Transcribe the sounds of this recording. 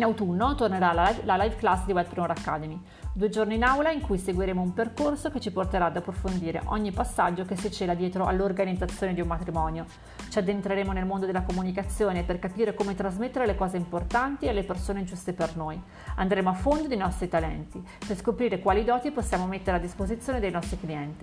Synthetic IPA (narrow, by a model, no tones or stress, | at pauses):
inawt̪unːot̪orneɾallalajvklasːd̪iwɛd̪̚pɾimoɾakːad̪emi | d̪uːed͡ʒorniːnawlaiŋkujseɡwiɾeːmoumperkorsoket͡ʃːiport̪eɾaːd̪apːɾofond̪iːɾḛʔɔɲːipasːad͡ʒːokesit͡ʃeːlad̪jɛːt̪ɾoʔa̰lːorɡanid̪zːat̪sːjoːned̪iummat̪ɾimɔːnjo | t͡ʃiad̪ːent̪ɾeɾeːmonelmond̪od̪elːakomunikat̪sːjoːneperkapiːɾekoːmet̪ɾazmet̪ːeɾelekɔːzeimport̪ant̪ialːepersoːneid͡ʒust̪epernoːj | a̰nd̪ɾeːmoafːond̪od̪ejnɔst̪ɾit̪alɛ̰nt̪i | perskopɾiːɾekwaːlid̪ɔːt̪iposːjaːmomet̪ːeɾead̪ːispozit̪sːjoːned̪ejnɔst̪ɾikliɛnt̪i